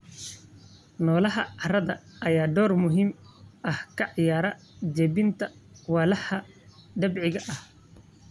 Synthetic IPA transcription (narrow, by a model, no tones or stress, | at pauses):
nɔːlɐɦɐʕɑɾɐðɐʔɐjaːɖɔːrmʊɦiːmʔɐhkʰɐʕjaːɾɐ | d͡ʒɛbɪnt̪ʰɐwaːlɐhɐ | ɖɐbʕɪɣɐʔɐh